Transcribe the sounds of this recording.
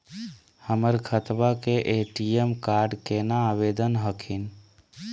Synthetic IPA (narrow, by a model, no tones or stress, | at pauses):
həməɾɡʰʱət̪bakeʔeʈiemkaɾɖkenaːʋed̪ənɦəkʰin